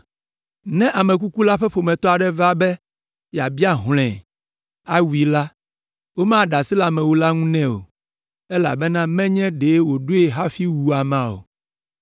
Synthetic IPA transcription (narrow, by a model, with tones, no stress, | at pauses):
nɛ̃˦ʔa˨mɛ̃˨k̬u˦ku˦la˦ɸɛ˦ɸo˨mɛ̃˨t̪ɔ˦a˨ɖɛ˦va˦bɛ˦ | ja˨bi˦a˦ɦl̃ɛ̰̃˨ | a˦wu˨i˨la˦ | wo˦mã˦ɖa˨si˦la˨mɛ̃˨wo˨la˦ŋũ˦nɛ̃˦o̰˨ | ɛ˦la̰˨bɛ˦nã˦mɛ̃˦ɲɛ̃˦ɖe˨˦wo˨ɖo˦e˨ɦa˦fi˦wu˨a˨mã˦o̰˨